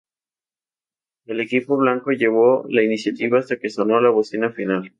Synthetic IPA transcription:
e̞le̞kipo̞β̞laŋko̞ʝe̞β̞o̞lainisjat̪iβaːst̪ake̞so̞no̞laβosinafinal

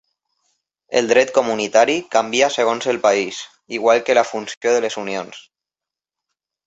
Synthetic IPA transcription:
ḛld̪ɾɛt̪̚komunit̪aɾikambiaseɣ̞onzelpais | iɣwalkelafunsjoðelesunions

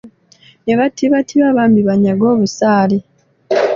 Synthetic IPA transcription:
neβatʰiβatʰiβaβaːmbiβaɲaɡo̞ːβusaːle

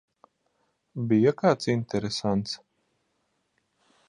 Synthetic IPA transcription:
bijakaːt̪sint̪ɛɾesant̪s

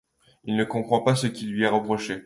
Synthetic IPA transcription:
ilnəkɔ̃pχɑ̃pasəkʲilɥiɛʁəpχɔʃe

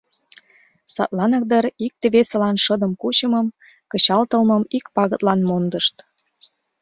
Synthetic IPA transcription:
sɑ̰t̪lɑnə̆k̚d̪əɾik̚t̪eβesə̆lɑnʃəd̪əmkut͡ɕəməm | kət͡ɕɑlt̪əlmə̆mikpɑɣə̆t̪lɑnmond̪əʃt̪

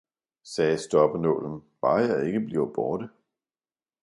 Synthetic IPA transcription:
sɛːsd̥ɒb̥ənɔ̰ːlən̩ʋ̥ɑ̈ːjɑ̈ɪe̝ɡ̥əb̥liʊb̥ɒːɾ̥ə

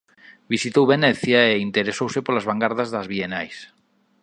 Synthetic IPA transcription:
bisit̪owβeneθjaeint̪eɾesowsepolazβ̞aŋɡaɾðazðazβ̞ienajs

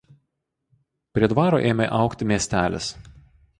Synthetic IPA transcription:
pʲɾʲiɛd̪ʋɑːɾo̰ːʔeːmʲeʔɑˑʊkt̪ʲɪmʲiɛsʲt̪ʲæːlʲɪ̰s

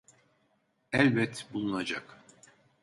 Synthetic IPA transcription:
ɛlʲbɛt̪bulˠunad͡ʒak

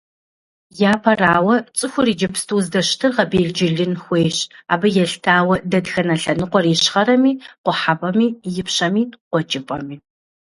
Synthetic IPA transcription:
jaːpʰɐraːwɐt͡sʼɨxʷʊriːd͡ʒɐpʰstʰuːzdɐɕtʰɨrʁɐbeːɮd͡ʒɪɮɨnxʷeːɕa̰ːbɐjɛɬtʰaːwɐdɐdxɐnɐɬɐnɨqʷɔriːɕχɐɾɐmiːqʷʊħabɐmiːjɪpʰɕɐmiːqʷɔt͡ʃʼɪpʼɐ̰miː

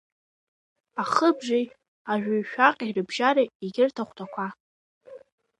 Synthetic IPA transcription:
aχəbʒʷej | aʒᶣajʃᶣaqʼirɨbʒaɾaiɡʲɪrtʰaχʷtʰakʷʰa

